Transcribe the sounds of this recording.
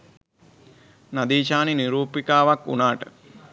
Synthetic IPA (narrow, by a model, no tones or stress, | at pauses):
nad̪iːʃaːniniɾuːpikaːʋakːṵnaːʈə